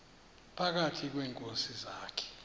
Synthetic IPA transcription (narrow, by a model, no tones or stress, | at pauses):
pʰak̬atʰik̬wɛːŋkʼosizaːkʰɛ̥